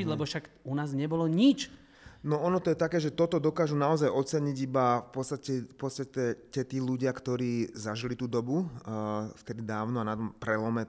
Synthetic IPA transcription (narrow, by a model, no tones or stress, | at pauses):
ilɛbɔʃak | unaːzɲɛbɔlɔɲit͡ʃ | nɔɔnɔt̪ɔjɛt̪akɛːʒɛt̪ɔt̪ɔd̪ɔkaːʒunaɔzajɔt̪t͡sɛɲiɟibafpɔt̪st̪acɛfpɔt̪st̪acɛcɛt̪iːluɟɪakt̪ɔɾiːzaʒilit̪uːd̪ɔbu | ft̪ɛd̪id̪aːʊnɔanat̪ɔmpɾɛlɔmɛ